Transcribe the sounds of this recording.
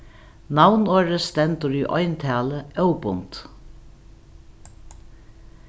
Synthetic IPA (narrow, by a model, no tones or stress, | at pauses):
nawnøːɹəst̪ɛnt̪əɾyːʔɔ̰jnt̪ʰæːləœwpʊnt̪